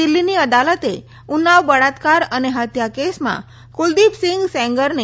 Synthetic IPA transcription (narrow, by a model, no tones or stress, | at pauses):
ilːiniəd̪alət̪e | unaʋbəɽat̪kaɾəneɦət̪jakesmã̰ | kuld̪ipsɪŋɡsɛ̃ŋɡəɾne